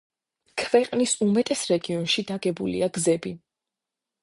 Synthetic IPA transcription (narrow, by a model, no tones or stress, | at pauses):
kʰvɛqʼnisumɛt̪ʼɛsɾɛɡiɔnʃid̪aɡɛbulḭaɡzɛbi